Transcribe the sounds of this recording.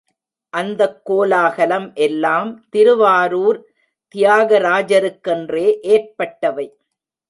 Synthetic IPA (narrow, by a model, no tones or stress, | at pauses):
ʔɐnd̪ɐkːoːlaːɣɐlɐmʔɛlːaːmt̪ɪɾɯʋaːɾuːɾ | t̪ɪjaːɣɐɾaːd͡ʒɐɾɯkːɛndreːʔeːrpɐʈːɐʋɐɪ